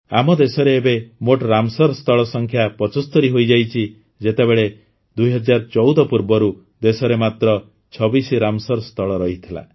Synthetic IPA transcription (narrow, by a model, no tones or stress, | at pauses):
a̰mɔd̪esɔɾeːbemoʈɾamsɔɾɔst̪ʰɔɭɔsɔŋkʰjapɔt͡ʃɔst̪ɔɾiɦojd͡ʒajt͡ʃʰi | d͡ʒet̪ebeɭe | d̪ujɦɔd͡ʒaɾɔt͡ʃɔwd̪ɔpuɾbɔɾu | d̪esɔɾemat̪ɾɔ | t͡ʃʰɔbisiɾamsɔɾɔst̪ʰɔɭɔɾɔɦit̪ʰila̰